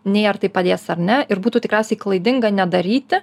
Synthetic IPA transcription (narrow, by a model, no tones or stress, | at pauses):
nʲeːɐrt̪ɐɪpɐd̪ʲeːsɐɾʲnʲɛɪɾbuːt̪uːt̪ʲɪkɾæʊsʲɛɪklˠɐɪd̪ʲɪŋɡɐnʲɛd̪ɐɾʲiːt̪ʲɪ